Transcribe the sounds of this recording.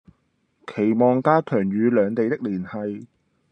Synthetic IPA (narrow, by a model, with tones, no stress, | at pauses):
kʰe˨˩jmɔː˨ŋkaː˥kʰœː˨˩ŋjyː˨˧lœː˨˧ŋt̪e˨jt̪ɪ˥k̚liː˨˩nhɐ˨j